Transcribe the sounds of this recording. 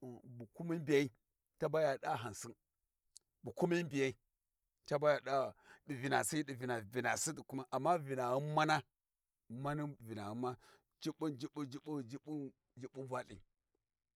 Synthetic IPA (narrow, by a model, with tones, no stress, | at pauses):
bu˨ku˦mi˦bi˨ja˦i˦ | ta˦ba˦ja˨ɗa˦ɦa˨n˨si˦n | bu˨ku˦mi˦bi˨ja˦i˦ | ta˦ba˦ja˨ɗa˦di˨vi˨na̰˨si˦i˦di˨vi˨na˨vi˨na˨si˦di˨ku˦ma˦ʔa˨mːa˦vi˨na˨ɣu˦ma˦na˦ | ma˦ni˦˨vi˨na̰˨ɣu˦mːa˦ | d͡ʒi˦ɓu˦nd͡ʒi˦ɓu˦d͡ʒi˦bu˦˨d͡ʒi˦bu˦ | d͡ʒi˦bu˦va˦lḭ˨